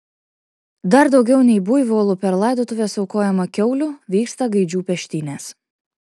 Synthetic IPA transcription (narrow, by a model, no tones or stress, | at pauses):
d̪ɐɾd̪ɒʊɡʲɛʊnʲɛɪbʊjʋʲoːlˠʊpʲɛɾlˠɐˑɪd̪oːt̪ʊʋʲeːsɒʊkoːjɛmɐkʲɛʊlʲʊʋʲiːkst̪ɐɡɐɪd͡ʒʲuːpʲɛʃʲt̪ʲɪnʲeːs